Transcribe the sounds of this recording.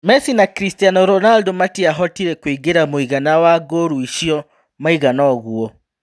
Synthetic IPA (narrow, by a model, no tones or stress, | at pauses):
mɛsinakɾistianɔɾɔnaldɔmatiaɦɔtiɾɛkwiɡeɾamoiɣanawaɡoɾuiʃiɔ | maiɣanɔɣuɔ